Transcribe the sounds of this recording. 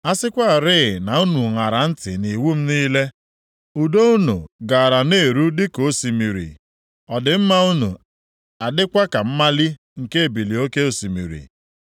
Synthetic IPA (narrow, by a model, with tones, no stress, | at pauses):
a˦sɪ˦kʷa˦˨ɾɪ˦˨na˨u˦nu˨ŋa˨ɾa˨n̩˦tɪ̰˨ni˨wu˦m̩˦niː˦le˦ | u˨do˦u˦nṵ˨ɡa˨ɾa˨ne˦˨ɾu˦dɪ˦ko˨˦si˨mi˨ɾḭ˨ | ɔ˨dɪ˨m̩˦ma˦u˦nu˨ | a˨dɪ˦kʷa˦ka˨m̩˦ma˦li˦ | ŋ̩˨ke˦e˨bi˨li˨o˦ke˦o˨si˨mḭ˨ɾḭ˨